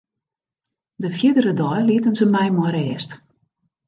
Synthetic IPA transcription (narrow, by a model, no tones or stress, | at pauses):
dəfjɪdərədɔjliətənzəmɛjmɔɾɛːst